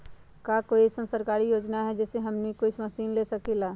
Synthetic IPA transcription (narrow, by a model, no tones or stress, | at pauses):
kakoːisənsəɾkaːɾijoːd͡ʒnaɦɛd͡ʒɛːseɦəmnikoːisməsiːnlesəkilaː